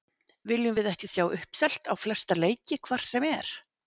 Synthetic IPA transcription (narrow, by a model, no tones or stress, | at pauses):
vɪlʏmvɪðɛhcɪsjaːwʔʏhpsɛl̥t̪awflɛ̥st̪aleːjcɪkʰvar̥sɛmɛɾ̥